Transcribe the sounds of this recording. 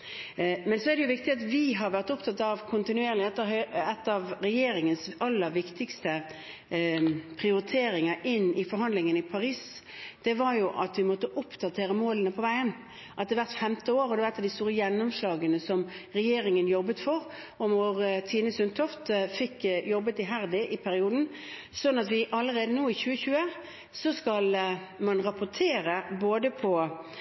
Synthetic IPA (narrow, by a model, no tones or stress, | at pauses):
mɛnsɔæd̪ɛjʊʋɪkt̪ɪɑt̪ʋɪɦɑɾʋæʁt̪ʊpt̪ʰɑt̪ːɑʋkʰʊnt̪ɪnʉeːɾəlɪɛt̪ːɛt̪ːɑʋɾɛjeːɾɪŋənsɑlːəɾʋɪkt̪ɪkst̪ə | pʰɾɪʊɾɪt̪ʰeːɾɪŋəʔɪnːɪfɔɾɦɑnd̪lɪŋənɪpʰɑɾiːs | d̪̥ɛʋɑɾjʊʔɑt̪ʋɪmɔt̪ːəʔʊpːd̪ɑt̪ʰeːɾəmoːlənəpʰɔʋæɪən | ʔɑt̪̚d̪ɛʋæʁt̪fɛmt̪əoːɾɔd̪ɛʋæt̪ːɑd̪ɪst̪uːɾəjɛnːʊmslɑːɡənəsɔmɾɛjeːɾɪŋənjɔbːət̪fɔɾ | ɔmɔʁt̪ʰiːnəsʉnt̪ʰɔft̪fɪkːjɔbːət̪ɪɦæɾd̪ɪʔɪpʰæɾɪuːd̪n̩ | sɔnːɑt̪ʋɪʔɑlːəɾeːd̪ənoːɪçʉːəçʉːə | sɔskɑl | mɑnʁɑpʊt̪ʰeːɾəboːd̪əpʰɔ